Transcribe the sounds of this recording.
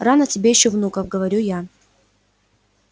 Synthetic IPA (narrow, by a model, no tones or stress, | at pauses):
ranətʲɪbʲejɪɕːovnukəvɡəvɐɾʲuja